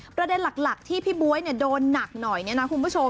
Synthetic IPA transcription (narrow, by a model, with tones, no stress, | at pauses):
pɾa˧de˧nla˨˩k̚la˨˩k̚t̪ʰiː˥˩pʰiː˦˥˩bu˦˥əjni˥˩ɐdoː˧nːa˨˩k̚nɔ˨˩jni˥˩na˦˥kʰu˧npʰu˥˩t͡ɕʰo˧